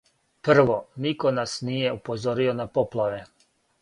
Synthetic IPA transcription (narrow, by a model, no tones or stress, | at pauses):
pr̩ʋo̞niko̞nasnije̞upozoɾio̞napoplˠaʋe̞